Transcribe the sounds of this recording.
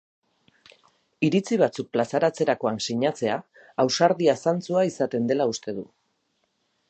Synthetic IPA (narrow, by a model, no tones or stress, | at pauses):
iɾit͡siβ̞at͡suk̚plasaɾat͡se̞ɾako̞ansiɲat͡se̞aː | wsaɾðiasant͡suaisat̪e̞nd̪e̞laust̪e̞ðu